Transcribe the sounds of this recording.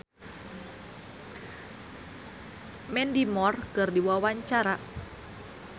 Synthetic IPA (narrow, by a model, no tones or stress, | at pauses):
mɛndimɔrkərdiwawaɲt͡ʃaɾa